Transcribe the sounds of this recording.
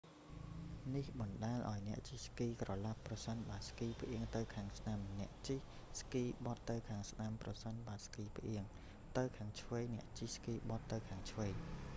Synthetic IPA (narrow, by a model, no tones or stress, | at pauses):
nihɓɑnɗaɛlʔa̰ɔjnɛ̆əʔt͡ɕihskiːkrɑlapːrɑsənɓaəskiːpʰʔiəŋt̪ɨwkʰaːŋsnamnɛ̆əʔt͡ɕih | skiːɓɑt̪ːɨwkʰaːŋsnamprɑsənɓaːskiːpʰʔiəŋ | t̪ɨwkʰaːŋt͡ɕʰʋeːjnɛ̆əʔt͡ɕihskiːɓɑt̪ːɨwkʰaːŋt͡ɕʰʋeːj